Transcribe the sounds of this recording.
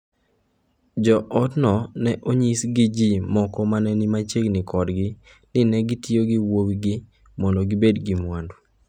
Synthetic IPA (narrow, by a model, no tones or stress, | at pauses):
d͡ʒɔʔɔdnɔnɛʔoɲisɡɪd͡ʒimɔkɔmanɛnɪmat͡ʃeɡnɪkʰɔdɡɪ | nɪnɛɡɪtioɡɪwowiɡɪ | mɔndɔɡɪbedɡɪmwando